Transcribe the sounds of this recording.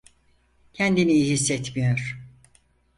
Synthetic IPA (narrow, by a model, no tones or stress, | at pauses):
cʰɛnd̪inijihisːɛt̪mijoɾ̥